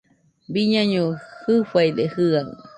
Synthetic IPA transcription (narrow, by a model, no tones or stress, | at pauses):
biɲaɲõhɨfajd̪ehɨaɨ̰